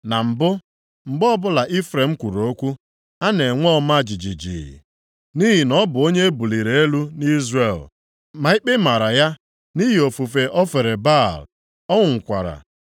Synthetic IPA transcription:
na˨m̩˨bʊ˦ | ŋ͡m̩˨ɡ͡bɔ˦bʊ˦la˨ʔi˦fɾe˨ŋ͡m̩˦kʷu˨ɾo˨o˦kʷu˦ | a˦ne˨ŋʷɔ˦ɔ˦ma˦˨d͡ʒi˨d͡ʒi˨d͡ʒḭ˨ḭ˨ | ni˦ɦi˨nɔ˦bʊ˨o˦ɲe˦bu˨li˨ɾe˨e˦lu˦ni˦zre˨l | ma˨i˦k͡pɪ˦ma˨ɾa˨ja˦ | ni˦ɦi˨o˨fu˨fe˨ʔɔ˦fe˨ɾe˨ba˦˨l | ɔ˦ŋʷʊ˨ŋ̩˨kʷa̰˨ɾa̰˨

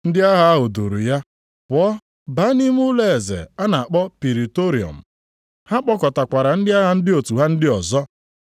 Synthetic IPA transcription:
n̩˦dɪ˦a˦ɦa˨a˦ɦʊ˨du˨ɾu˨ja˦ | pʊ˨ɔ˦ | ba˨˦ni˦m˦ʊ˦le˦˨e˨zḛ˨a˦na˨a˨k͡pɔ˦pi˨ɾi˨to˦ɾi˨ɔ̰˨m̩˨ | ha˦k͡pɔ˦kɔ˨ta˨kʷa˨ɾa˨n̩˦dɪ˦a˦ɦa˨n̩˦dɪ˦o˨tu˨ɦa˦n̩˦dɪ˦ɔ˨zɔ˦

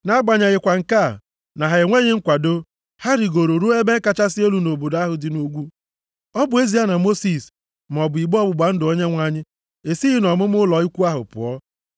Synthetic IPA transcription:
na˦ɡ͡ba˨ɲa˨ɣɪ˨kʷa˨ŋ̩˨ka˦˨ | na˨ɦa˨e˨ŋʷe˦ɲɪ˦ŋ̩˦kʷa˨do˦ | ha˦ɾɪ˨ɡo˨ɾo˨ɾu˦e˦be˦ŋ̩˦ka˦t͡ʃa˦sɪ˦e˦lu˨no˨bo˨da˦ɦʊ˨dɪ˨no˦ɡʷu˦ | ɔ˦bʊ˨˦e˦zi˨˦a˦na˨mo˦si˨s | m˨ɔ˨bʊ˨i˨ɡ͡bɔ˦bʊ˨ɡ͡ba˨n̩˦dɪ˨o˦ɲe˦ŋʷa˦ɲɪ˦ | e˨si˦ɣɪ˦nɔ˨mʊ˦mʊ˦lɔ˨i˦kʷu˦a˦ɦʊ̰˨pʊ̰˨ɔ˦

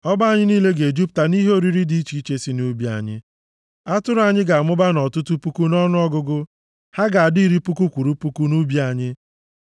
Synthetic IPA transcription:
ɔ˦ba˦˨ɲɪ˦niː˦le˦ɡe˨d͡ʒi˦p̚ta˨ni˦ɦe˦o˦ɾi˦ɾi˦di˨i˦t͡ʃi˨˦i˦t͡ʃe˦si˦nu˦bi˦a̰˨ɲɪ̰˦ | a˦tʊ˦ɾʊ˦a˨ɲɪ˦ɡa˨a˨mʊ˦ba˦nɔ˨tʊ˦tu˦pu˦ku˦nɔ˦nʊ˦ɔ˦ɡʊ˦ɡʊ˦ | ha˦ɡa˨a˨di˦i˦ɾi˦pu˦ku˦kʷu˨ɾu˦pu˦ku˦nu˦bi˦a˨ɲɪ˦

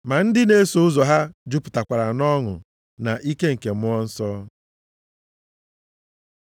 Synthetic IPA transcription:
ma˨n̩˦dɪ˦ne˦so˨ʊ˦zɔ˨ɦa˦d͡ʒʊ˦pʊ̥˨ta˨kʷa˨ɾa˨nɔ˦ŋʊ̰˨ | na˨ʔi˦ke˦ŋ̩˨ke˨mʊ˦ɔ˦n̩˦sɔ˦

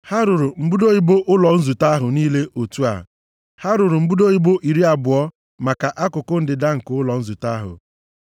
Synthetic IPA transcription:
ha˦ɾʊ˨ɾʊ˨m̩˦bu˦do˦i˦bo˦ʔʊ˦lɔ˨n̩˦zu˨ta˦ɦʊ˨niː˦le˦ʔo˨tu˦a̰˨ | ha˦ɾʊ˨ɾʊ˨m̩˦bu˦do˦i˦bo˦ʔi˨ɾi˦a˨bʊ˨ɔ˦ | ma˨ka˨ʔa˦kʊ˨kʊ˦n̩˦dɪ˨da˦ŋ̩˨kʊ˨˦ʊ˦lɔ˨n̩˦zu˨ta˦ɦʊ̰˨

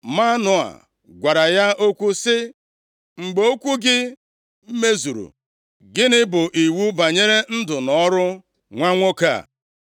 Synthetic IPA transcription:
ma˦nʊ˨a̰˨ | ɡʷa˨ɾa˨ja˦ʔo˦kʷu˦sɪ˦ | ŋ͡m̩˨ɡ͡bo˦o˦kʷu˦ɡɪ˦ | m̩˦me˦zu˨ɾṵ˨ | ɡɪ˦nɪ˦bʊ˨ʔi˨wu˦ba˨ɲe˦ɾe˦n̩˦dʊ˨nɔ˦ɾʊ˦ | ŋʷa˦ŋʷo˦ka̰˦˨

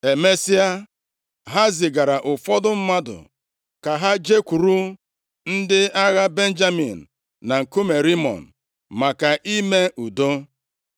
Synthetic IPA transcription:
e˨me˦si˦a˦ | ɦa˦zɪ˨ɡa˨ɾa˨ʔʊ˨fɔ˦dʊ˦m̩˦ma˦dʊ̰˨ | ka˨ɦa˦d͡ʒe˦kʷu˨ɾu˦ | n̩˦dɪ˦a˦ɣa˦be˦n̩˦d͡ʒa˦mi˨n̩˨ | na˨ŋ̩˨ku˦me˨ɾi˦mɔ̰˨n̩˨ | ma˨ka˨ʔi˦me˦ʔu˨do˦

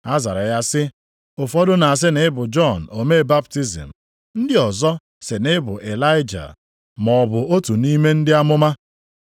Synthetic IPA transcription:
a˦za̰˨ɾa˨ja˦sɪ˦ | ʊ˨fɔ˦dʊ˦na˨a˨s̬ɪ˦nɪ˦bʊ˨d͡ʒɔ˦˨n̩˨o˨me˦˨ba˦p̚ti˦zḭ˨m̩˨ | n̩˦dɪ˦ɔ˨zɔ˦ | se˨nɪ˦bʊ˨ʔe˨la˦ɪ˦d͡ʒa̰˨ | mɔ˨bʊ˨o˦tu˨ni˦me˦n̩˦dɪ˦a˦mʊ˦ma˦

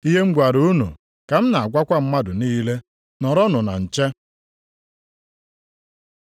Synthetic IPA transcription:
i˦ɦe˦ŋ͡m̩˦ɡ͡bʷa˨ɾu˦nṵ˨ | ka˨m̩˦na˨a˨ɡʷa˦kʷa˦m̩˦ma˦dʊ˨niː˦le˦ | nɔ˨ɾɔ˦nʊ˨na̰˨n̩˨t͡ʃe˦

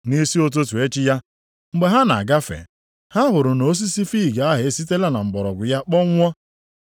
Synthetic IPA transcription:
ni˦si˦o˦t̬o˦tu˨e˦t͡ʃɪ˦ja˦ | ŋ͡m̩˨ɡ͡be˨ɦa˦na̰˨a̰˨ɡa˦fḛ˨ | ha˦ɦʊ˨ɾʊ˨no˨˦s̬i˦si˦fi˦˨ɡa˨a˦ɦɪ˨˦si˦te˦la˦na˨m̩˨bɔ˨ɾɔ̰˨ɡʷʊ˨ja˦k͡pɔ˦ŋʷ˦ɔ˦

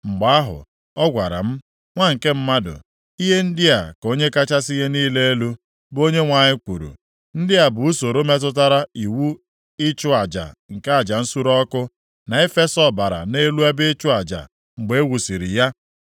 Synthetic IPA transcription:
ŋ͡m̩˨ɡ͡ba˨˦a˦ɦʊ̰˨ | ɔ˦ɡʷa˨ɾa̰˨m̩˦ | ŋʷa˦˨ŋ̩˨ke˦m̩˦ma˦dʊ̰˨ | i˦ɦe˦n̩˦dɪ˦a˨ko˦ɲe˦ka˦t͡ʃa˦si˦ɦe˦niː˦le˦e˦lu˦ | bo˦ɲe˦ŋʷa˨ɲɪ˦kʷu˨ɾṵ˨ | n̩˦dɪ˦a˨bʊ˨u˦so˨ɾo˦me˦t̬ʊ˦t̬a˦ɾa˦i˨wu˦ | ɪ˦t͡ʃʊ˦a˨d͡ʒa̰˨ŋ̩˨ka˦a˨d͡ʒa˨n̩˦su˦ɾɔ˦kʊ˦ | na˨e˦fe˦sɔ˨ba˨ɾa̰˨ne˦lu˦e˦bɪ˦ɪ˦t͡ʃʊ˦a˨d͡ʒa̰˨ | ŋ͡m̩˨ɡ͡be˨e˦wu˨si˨ɾi˨ja˦

